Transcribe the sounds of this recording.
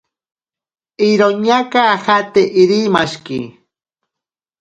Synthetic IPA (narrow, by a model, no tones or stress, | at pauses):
iɾoɲakaxat̪eʔiɾimaʃkḭ